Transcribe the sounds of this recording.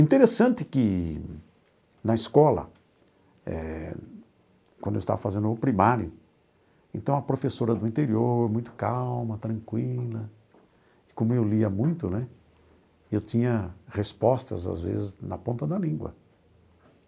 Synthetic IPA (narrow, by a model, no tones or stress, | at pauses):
ĩnt̪eɾesɐ̃nt̪ɪkɪ | nɐɪiskɔlɐ̰ | ɛ̰ | kwɐ̃nd̪ewist̪a̰vɐfazẽnd̪ʊpɾimaɾjʊ | ẽt̪ɐ̃w̃ɐpɾofesoɾɐd̪ʊĩnt̪eɾioɾmũj̃t̪ʊ̥kawmɐt̪ɾɐ̃ŋkwilɐ | ɪkõmʊewliɐmũj̃t̪ʊnɛ | ewt̪ĩɲɐhespɔst̪ɐ̰za̰zvḛzɪznɐ̰põnt̪ɐd̪ɐlĩŋɡwɐ̰